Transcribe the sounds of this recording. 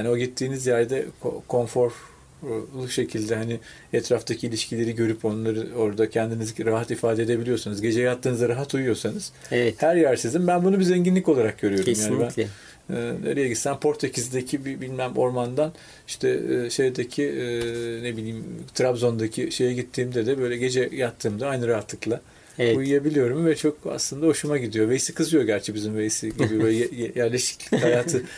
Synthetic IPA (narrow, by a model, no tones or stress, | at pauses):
jaːnio̞ɟit̪ʰːiːnizjæɾd̪ɛkʰo̰kʰo̞nfo̞ɾ | lˠuʃe̞cʰilʲd̪ɛɦanɪ | ɛt̪ʰɾaft̪ʰacʰilʲiʃcʰilʲe̞ɾiɟø̞ɾypo̞nlˠaɾɯo̞ɾd̪acʰɛnd̪iniziɾaɦat̪ifaːd̪ed̪e̞bilʲijo̞ɾsanɯzɟe̞d͡ʒejaɦat̪ʰːɯːnɯzaɾaɦat̪ujujo̞ɾsanɯz̥ | ɛhæɾjæɾsizimbænbunubizeɲɟinlʲikolˠaɾak̚ɟø̞ɾyjo̞dumjaːniibænː | na̰ɾɯjaɟit̪sæmpʰo̞ɾt̪ʰecʰizid̪ecʰibibilʲmæmo̞ɾmand̪an | iʃt̪ʰɛʃe̞jd̪ecʰi | nebilʲiːmt̪ʰɾabzo̞nd̪acʰiʃe̞jɛɟit̪ʰːiːmd̪ɛd̪ɛbø̞jlʲɛɟe̞d͡ʒɛjat̪ʰːɯːmd̪aajnɯɾaɦat̪lˠɯklˠa | ujujabilʲijo̞ɾumvɛt͡ʃʰo̞ka̰slˠɯnd̪aho̞ʃumaɟid̪ijo̞ve̞jisikʰɯzɯjo̞ɟæɾt͡ʃʰɛbizimve̞jisiɟid̪ijobøɛɛjjjæɾlʲeʃi̥clʲichajaːt̪ʰɯ